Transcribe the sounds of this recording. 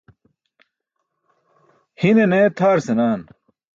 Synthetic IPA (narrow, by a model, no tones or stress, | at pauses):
hineneːt̪ʰaːɾsenaːn